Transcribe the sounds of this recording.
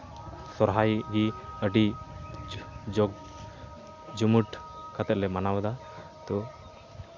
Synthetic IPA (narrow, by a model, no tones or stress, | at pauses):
sɔɾɦajɡiəɖi | d͡ʒɔɡ | d͡ʒumuʈkat̪ɛt̪̚lɛmanawad̪a | t̪ɔ